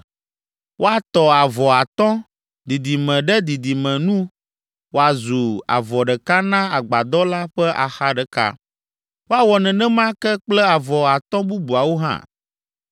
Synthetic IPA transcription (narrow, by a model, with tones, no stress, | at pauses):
wʔo˦a˨t̪ɔ˨a˨vɔ˨a˨t̪ɔ̃˦ | d̪i˨d̪i˨mɛ̃˨ɖɛ˦d̪i˨d̪i˨mɛ̃˨nũ˦ | wo˦a˨zu˨a̰˨vɔ˨ɖɛ˨ka˦nã˦a˨ɡ͡ba˨d̪ɔ˦la˦ɸɛ˦ʔa̰˨xa˦ɖɛ˨ka̰˦ | wo˦a˨wɔ˨nɛ̃˨nɛ̃˦mã˦kɛ˦k͡plɛ˦a˨vɔ˨a˨t̪ɔ̃˦bu˦bu˨a˨wo˦ɦã̰˦˨